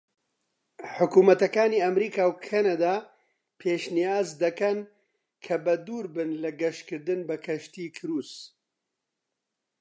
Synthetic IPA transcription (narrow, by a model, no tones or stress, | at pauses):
ħʊkuːmɐt̪ɐkaːniːɐmɾiːkaːwkʰanad̪aː | pʰeːʃnijaːzd̪ɐkɐn | kʰɐbɐd̪uːɾbɨnlɐɡɐʃkɨɾd̪ɨnbɐkʰɐʃt̪iːkʰɨɾuːs